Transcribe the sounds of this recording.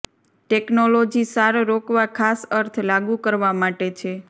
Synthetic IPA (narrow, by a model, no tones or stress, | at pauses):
ʈeknolod͡ʒisaɾɾokʋakʰasəɾt̪ʰlaɡũkəɾʋamaʈet͡ʃʰe